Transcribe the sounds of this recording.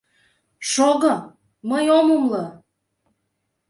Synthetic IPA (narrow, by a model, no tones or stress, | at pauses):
ʃoɣɤ̆ | məjomumlɤ